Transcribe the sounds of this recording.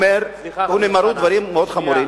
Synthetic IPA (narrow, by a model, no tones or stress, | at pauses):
meɾhunemaɾud̪vaɾimmːeod̪χamuɾim